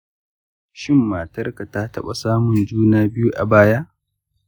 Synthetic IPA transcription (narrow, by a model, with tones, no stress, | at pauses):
ʃɪ˦mːaː˨tɐ˦rka˨ta˦tɐ˦ɓa˨saː˦mʊ˨nd͡ʒuː˦naː˦bɪ˦ju˦ʔa˨baː˦ja˦ʔ